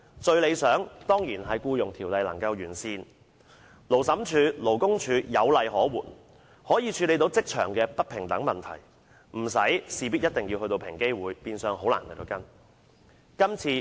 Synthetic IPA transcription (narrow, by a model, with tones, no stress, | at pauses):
t͡ʃɵ˧ɥle˨˧jsœː˨˥ŋt̪ɔː˥ŋjiː˨˩nɦɐ˨jkuː˧jʊ˨˩ŋt̪ʰiː˨˩wlɐ˨jlɐ̰˨˩ŋkɐ˧wjyː˨˩nsiː˧n | lo˨˩wsɐ˨˥mt͡ʃʰyː˨˧lo˨˩wkʊ˥ŋt͡ʃʰyː˨˧jɐ˨˧wlɐ˨jhɔː˨˥wṵː˨˩n | hɔː˨˥jiː˨˧t͡ʃʰyː˨˧le˨˧jt̪o˨˥wt͡sɪ˥k̚t͡ʃʰœ̰ː˨˩ŋkɛː˧pɐ˥t̚pʰɪ˨˩ŋt̪ɐ˨˥ŋmɐ˨nt̪ʰɐ̰˨˩j | m̩˨˩sɐ˨˥jsiː˨pi˥t̚jɐ˥t̚t̪ɪ˨ŋjiː˧whɵ˧t̪o˧wpʰɪ̰˨˩ŋke˥jwuː˨˧jpiː˧nsœː˨˧ŋɦo˨˥wla̰ː˨˩nhjt̪o˨˧wkɐ˥n | kɐ˥mt͡sʰiː˧